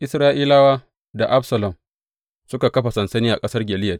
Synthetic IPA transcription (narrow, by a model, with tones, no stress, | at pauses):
ʔɪ˨sɾaː˦ʔiː˦laː˦waː˦ | da˨ʔa˦bsɐ˨lɐ˨m | sʊ˦ka˨kɐ˦ɸa˨sɐ˨nsɐ˦niː˦ʔa˨kʼɐ˦sɐ˦rɡʲɛ˨lɪ˦jɐ˨